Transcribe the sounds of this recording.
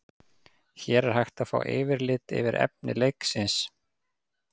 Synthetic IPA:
çɛːɾɛɾ̥hajxt̪afa̰ːwʔɪːvɪɾlɪːt̪ɪ̰vɪɾɛ̰p̚nɪ̰lejksɪns

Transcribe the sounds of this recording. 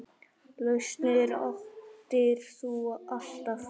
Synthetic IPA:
lœst̪nɪɾɔ̰ft̪ɪɾ̥sɔʔaɬt̪af

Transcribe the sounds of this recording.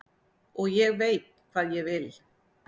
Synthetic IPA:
ɔɣjɛɣvejt̪̚kʰvaːðjɛɣvɪl

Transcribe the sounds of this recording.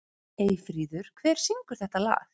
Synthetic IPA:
eːjfɾiːðʏɾ̥kʰvɛːɾ̥siŋkʏɾ̥θɛht̪ala̰ːx

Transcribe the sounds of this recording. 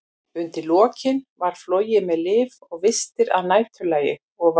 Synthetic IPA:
ʏnt̪ɪlɔːcɪnvaɾ̥floːɥjɪmɛðlɪːvɔɣvɪst̪ɪɾaðnaːjt̪ʰʏlaːjɪ̰ | ɔɣv

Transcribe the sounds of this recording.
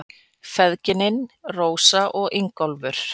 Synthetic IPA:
fɛðcɪnɪnroːwsaʔɔɣɪŋkɔlvʏɾ̥

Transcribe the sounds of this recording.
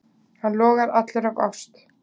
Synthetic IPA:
hanlɔːɣaɾat̪lʏɾava̰wst̪

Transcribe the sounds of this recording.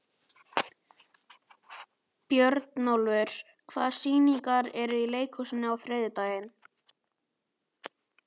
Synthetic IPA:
pjœɾt̪nowlvʏɾ̥ | kʰva̰ːðsiːniŋkaɾɛɾʏileːjkʰɔsʏnʏawθɾɛːðɪt̪aːjɪn

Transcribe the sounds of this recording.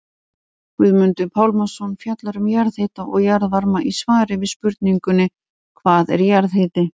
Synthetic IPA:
kvɪðmʏnt̪ʏpʰawlmasɔnfjat̪laɾʏmjaɾðhɪt̪aʔɔɣjaɾðvaɾmaʔisvaːɾɪvɪðspʏɾt̪niŋkʏnːɪ | kʰvaːðɛ̰ɾjaɾðɦɪːt̪ɪ

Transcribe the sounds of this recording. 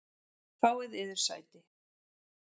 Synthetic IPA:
kvaːwɪðɪðɪɾ̥sa̰ːjt̪ɪ

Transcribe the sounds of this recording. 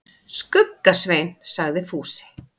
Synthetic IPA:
skʏkːasveːjnsaɣðɪfuːsɪ̥

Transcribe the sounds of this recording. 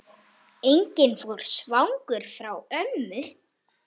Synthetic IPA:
ejɲcɪnfowɾ̥svawŋkʏɾ̥fɾawœmːʏ

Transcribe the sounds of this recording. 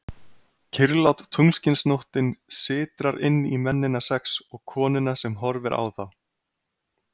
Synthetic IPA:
cʰɪɾlawt̪t̪ʰuŋscɪnsnowht̪ɪnsɪːt̪ɾaɾɪ̰nːimɛnːɪnasɛksɔɣkʰɔːnɪnasɛmɦɔɾvɪɾʔa̰wθaw

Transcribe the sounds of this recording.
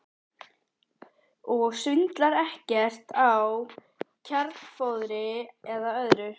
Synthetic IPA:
ɔɣsʏnt̪laɾɛhcɛr̥t̪aw | cʰaɾt̪fowðɾɪɛðaœðɾʏ

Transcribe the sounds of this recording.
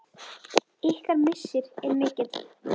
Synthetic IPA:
ɪhkaɾmɪsːɪɾɛɾmɪːcɪt̪

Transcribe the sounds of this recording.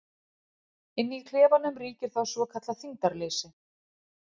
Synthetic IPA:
ɪnːikʰlɛːvanʏmriːcɪɾ̥θawsvɔkʰat̪laθiŋt̪aɾleːsɪ

